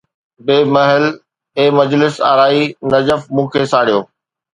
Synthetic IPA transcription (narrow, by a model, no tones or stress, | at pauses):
beːmɐɦɪl | eːmɐd͡ʑlɪsa̰ːɾaːinɐd͡ʑəfmũːkʰeːsaːɽijoː